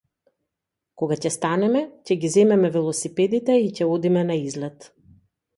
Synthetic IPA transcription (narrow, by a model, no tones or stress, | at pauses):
koɡacɛst̪anɛmɛcɛɡizɛmɛmɛvilˠɔsipɛd̪it̪ɛicɛɔd̪imɛnaizlɛt̪